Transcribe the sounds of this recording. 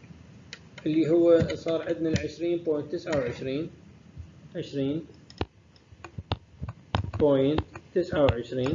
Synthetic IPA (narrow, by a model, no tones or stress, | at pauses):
ʔɪlːiɦʊwːasˤɑːɾˤʕɪd̪maʕɪʃɾiːnboːjnt̪ːɪsʕawʕɪʃɾiːn | ʕɪʃɾiːn | bojnt̪ːɪsʕawʕɪʃɾiːn